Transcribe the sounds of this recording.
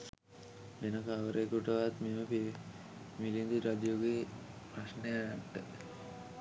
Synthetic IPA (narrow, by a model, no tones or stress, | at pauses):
benəkaaʋəɾʔekuʈəʋat̪meməpi | milind̪iɾad̪ijoɡe | prasnəjajaʈːə